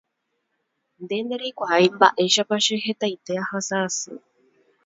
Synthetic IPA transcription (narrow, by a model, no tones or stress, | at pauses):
nd̪e̞nd̪eɾikʷaajmba̰ʔe̞ʃapaʃe̞ɦe̞t̪ajt̪e̞ahasaːsɨ̰